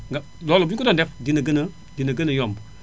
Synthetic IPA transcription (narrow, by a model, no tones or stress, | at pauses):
ŋɡa | lɔlobkudandɛfdinəɡənə | dinəɡənəjɔmb